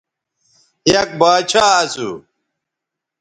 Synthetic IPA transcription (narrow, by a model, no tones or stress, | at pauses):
jɐk̚baːt͡ɕʰaːɐsṵ